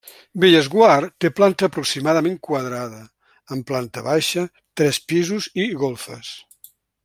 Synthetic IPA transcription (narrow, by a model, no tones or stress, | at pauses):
beʎəzɣwaɾt̪eplant̪əːpɾuksimaðəmeŋkwəðɾaðəː | mplant̪əβajʃə | t̪ɾɛspizuziɣolˠfə̰s